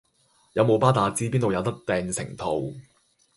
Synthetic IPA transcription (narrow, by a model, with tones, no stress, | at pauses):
jɐ˨˧wmo˨˧wpaː˥t̪aː˨˧t͡siː˥piː˥nt̪wjɐ˨˧wt̪ɐ˥k̚t̪ɛː˨˧ŋsɪ̰˨˩ŋt̪ʰo˨w